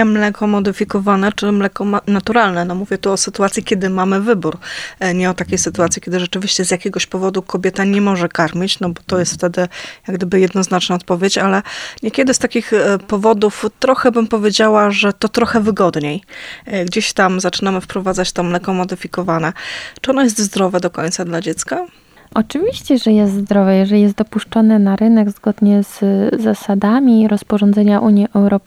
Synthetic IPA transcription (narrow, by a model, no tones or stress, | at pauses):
ɛmlɛkɔmɔd̪ɘfʲikɔvanɛt͡ʂɘmlɛkɔnat̪uɾalnɛnɔmuvʲjɛt̪uɔsɘt̪uat̪sʲjikʲɛd̪ɘmamɘvɘbuɾɲɛɔt̪akʲejsɘt̪uat̪sʲjikʲɛd̪ɘʐɛt͡ʂɘvʲiɕt͡ɕɛzjakʲɛɡɔɕpɔvɔd̪ukʰɔbʲjɛt̪aɲɛmɔʐɛkaɾmʲit͡ɕnɔbɔt̪ɔjɛst̪ft̪ɛd̪ɘjaɡd̪ɘbɘjɛd̪nɔznat͡ʂnaɔt̪̚pɔvʲjet͡ɕalɛɲɛkʲɛd̪ɘst̪akʲixpɔvɔd̪uft̪ɾɔxɛbɘmpɔvʲjed͡ʑawaʐɛt̪ɔt̪ɾɔxɛvɘɡɔd̪ɲejɡd͡ʑeɕt̪amzat͡ʂɘnamɘfpɾɔvad̪zat͡ɕft̪ɔmlɛkɔmɔd̪ɘfʲikɔvanɛt͡ʂɨɔnɔjɛs̬t̪zd̪ɾɔvɛd̪ɔkɔɲʲt̪sad̪lad͡ʑɛt̪ska | ʔɔt͡ʂɘvʲiɕt͡ɕɛʐɛjɛst̪zd̪ɾɔvɛjɛʐɛlʲijɛst̪̚d̪ɔpuʂt͡ʂɔnɘnaɾɘnɛɡzɡɔd̪ɲɛz̥ːasad̪amʲiɾɔspɔʐɔnd̪zɛɲaʔuɲjiʔɛwɾɔ